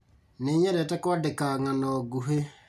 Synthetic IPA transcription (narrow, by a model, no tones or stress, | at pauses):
neɲɛɾɛtɛkwadekaŋanɔɡuɦe